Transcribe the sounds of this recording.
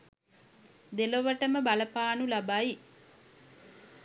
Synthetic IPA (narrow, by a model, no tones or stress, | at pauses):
d̪eloʋɐʈəməbɐlɐpaːnulɐbai